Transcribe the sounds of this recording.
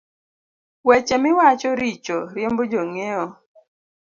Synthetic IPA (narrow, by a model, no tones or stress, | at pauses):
wɛt͡ʃemɪwat͡ʃɔɾit͡ʃoɾjembod͡ʒoŋeɔ